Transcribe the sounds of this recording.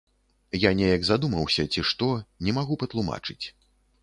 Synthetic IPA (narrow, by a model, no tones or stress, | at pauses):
janʲɛjɐɡzad̪umɐwsʲɐt͡sʲiʂt̪ɔnʲɛmaɣupɐt̪lˠuma̰t͡ʂɨt͡sʲ